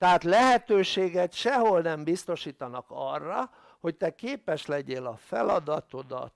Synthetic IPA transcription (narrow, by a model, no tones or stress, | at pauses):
t̪ɛɦaːt̪lɛɦɛt̪øːʃeːɡɛt̪ʃɛɦolnɛmbist̪o̞ʃiːt̪ɒnɒkɒrːɒ | ho̞ct̪ɛkeːpɛʃlɛɟeːlɒfɛlɒd̪ɒt̪o̞d̪ɒ̰t̪